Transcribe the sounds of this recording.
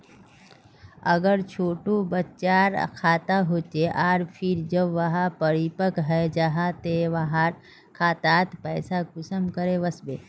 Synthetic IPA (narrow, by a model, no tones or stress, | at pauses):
ə̰ɡəɾt͡ʃʰoːʈobətːt͡ʃaːɾkʰaːt̪aɦot͡ʃeʔaːɾpʰɪɾd͡ʒəbʋɐɦapəɾipəkɦɛjd͡ʒaɦat̪eʋaɦaɾ | kʰaːt̪aːt̪pɛːsakʊsəmkəɾeʋəsbḛː